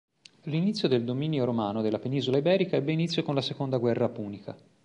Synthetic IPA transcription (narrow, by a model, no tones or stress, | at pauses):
linit̪sːjod̪eld̪omiːnjoɾomaːnod̪elːapeniːzolaibɛːɾikaɛbːeinit̪sːjokonlasekond̪aɡwɛrːapuːnikʰa̰